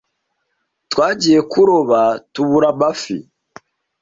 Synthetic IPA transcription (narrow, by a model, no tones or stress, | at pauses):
twaːɟije̞kuɾoβatuβuɾaβafḭ